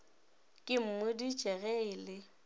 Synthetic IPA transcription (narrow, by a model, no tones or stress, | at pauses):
kʼɪm̩mʊdit͡ʃʼɛɣɛɪlɪ